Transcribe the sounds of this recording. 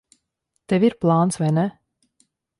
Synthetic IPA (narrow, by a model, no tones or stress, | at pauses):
t̪ɛviɾplˠɑːnt̪svɛnɛ